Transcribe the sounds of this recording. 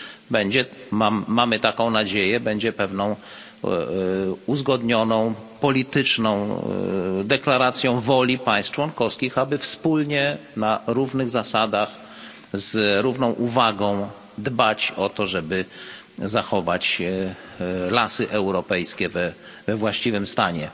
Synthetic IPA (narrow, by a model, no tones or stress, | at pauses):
bɛɲd͡ʑɛmamːamɘt̪akɔ̃w̃nad͡ʑejɛbɛɲd͡ʑɛpɛvnɔ̃w̃ | uzɡɔd̪ɲɔnɔ̃w̃pɔlʲit̪ɘt͡ʂnɔ̃w̃ | d̪ɛklaɾat̪sʲjɔ̃w̃vɔlʲipaj̃st̪t͡ʂwɔnkɔfskʲixabɘfspulɲɛnaɾuvnɘɣzasad̪ax | zɾuvnɔ̃w̃ʔuvaɡɔ̃w̃ | d̪bat͡ɕɔt̪ɔʐɛbɘ | zaxɔvat͡ɕ | lasɘʔɛwɾɔpɛjskʲɛvɛvɛvwaɕt͡ɕivɘmst̪aɲɛ